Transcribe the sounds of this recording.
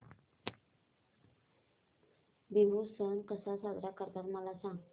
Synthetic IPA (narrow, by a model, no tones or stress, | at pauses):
biɦusənkəsasad̪ɾakəɾd̪aɾmalasã